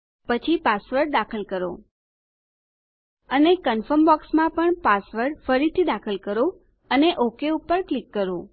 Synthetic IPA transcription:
pət͡ʃʰipasʋəɾɖd̪akʰəlkəɾo̰ | ənekənfəmbɔksmãpəɳpasʋəɾɖfəɾit̪ʰid̪akʰəlkəɾo | əneʔokeupːəɾklikːəɾo

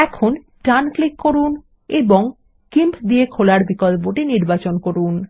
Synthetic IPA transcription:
ɛkʰon | ʈanklikːoɾun | eboŋ | kimpd̪iekʰolaɾbikɔlp̬oʈiniɾbat͡ɕonkoɾun

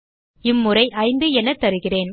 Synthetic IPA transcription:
ɪmːʊrɐɪʔɐɪnd̪ɯɛnːɐt̪ːɐɾɯɣɪreːn

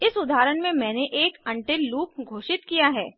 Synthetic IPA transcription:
ɪsʊd̪ʱaːɾəɽmẽmɛ̃ːneʔeːkɐ̃ɳʈeluːp̚ɡʱoːʃɪt̪kijaɦɛ̰ː

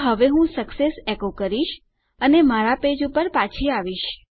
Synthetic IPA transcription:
ɦəʋeɦũsəksesekokəɾiʃ | ənemaɾaped͡ʒupəɾpat͡ʃʰiaʋiʃ

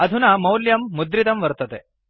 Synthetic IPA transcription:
ɐd̪ʱunɐmɐwljɐmːud̪ɾit̪ɐmʋɐɾt̪ɐt̪e

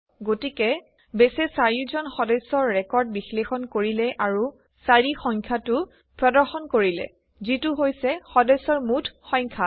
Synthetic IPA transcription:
ɡotikɛ | besɛsaɹizɔnxɔdɔsɔɹːɛkɔɹd̚bixlexɔnkoɹilɛʔaɹu | saɹixɔŋkʰatʊ | pɹɔdɔɹxɔnkoɹilɛ̰ | zitʊɦojsɛxɔdɔsɔɹmutʰxɔŋkʰa

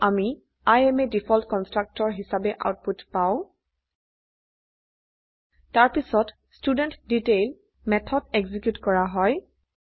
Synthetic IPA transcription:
ami | ajɛmɛdipʰɔltkɔnstɹak̚tɔɹɦisabɛʔa̰wt̚putpaʊ̃ | taɹpisɔt | studɛntditel | mɛtʰɔdɛɡzikjutkɔɹaɦɔj

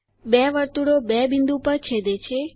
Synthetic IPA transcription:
bɛʋəɾt̪uɽobɛbind̪ũpəɾt͡ʃʰed̪et͡ʃʰe

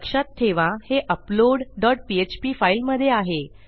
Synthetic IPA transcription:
kʂat̪ʰːeʋãheʔəploɽɖɔʈ̚piet͡ɕpiːfailməd̪ʱːjeaɦe

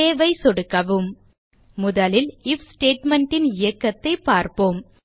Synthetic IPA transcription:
eːʋɐɪsɔɽɯkːɐʋɯmː | ʊðɐlɪlɪfsʈeːʈmɐɳʈɪnɪjɐkːɐt̪ːɐɪpːaːɾpoːm

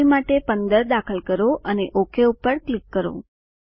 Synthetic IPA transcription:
imaʈepənd̪əɾd̪akʰəlkəɾoʔəneʔokʰeupəɾklikːəɾo̰

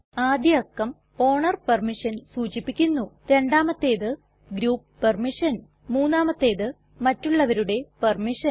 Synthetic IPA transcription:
aːd̪jɐɐkːɐm | o̞ːɳɐrpɐrmiʂɐnsuːt͡ɕipːikʲːunːu | eɳɖaːmɐt̪ːe̞ːðɨ | ɡɾuːppermiʂɐn | muːnːaːmɐt̪ːe̞ːðɨ | mɐtːuɭːɐʋɐɾuɽe̞permiʂɐn

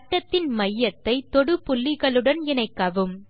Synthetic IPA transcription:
ɐʈːɐt̪ːɪnmɐjːɐt̪ːɐɪt̪ɔɽɯpʊlːɪɣɐɭɯɽɐnɪnɐɪkːɐʋɯm

